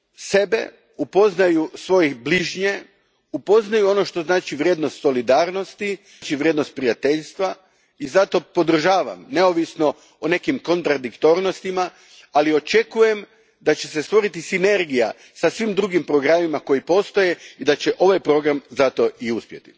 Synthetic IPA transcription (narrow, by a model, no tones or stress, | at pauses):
se̞be̞̰ | upo̞znajusʋo̞jibliʒɲe̞ | upo̞znajuo̞no̞ʃt̪o̞znaːt͡ʃiʋɾjed̪nost̪so̞lid̪aːɾno̞st̪i | t͡ʃiʋɾʲjed̪no̞st̪̚pɾijat̪e̞ʎst̪ʋa | izat̪o̞po̞d̪r̩ʒaːʋa̰mne̞oʋisno̞ | one̞kimko̞nt̪ɾad̪ikt̪o̞ɾnost̪ima | alio̞t͡ʃe̞kuje̞m | d̪at͡ɕe̞sest̪ʋo̞ɾit̪isine̞ɾɡija̰ | sasʋimd̪ɾuɡimpɾo̞ɡɾamimako̞jipo̞st̪o̞je̞id̪at͡ɕeʔo̞ʋajpɾo̞ɡɾamzat̪o̞iuspje̞t̪i̥